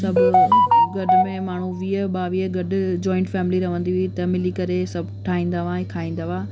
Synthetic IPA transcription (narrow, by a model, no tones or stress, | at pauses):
sɐbʊɡɐɖʊmẽmaːɳ̤uʋiəɓaːʋiːəɡɐɗʊ̆d͡ʑɔ̃ːɪ̃ɳʈfɛːmɪliɾɐʋə̃nd̪iʋit̪ɐmɪlikɐɾesɐbʱʈʰaːĩːn̆d̪aʋãẽkʰaːĩːnd̪aʋaː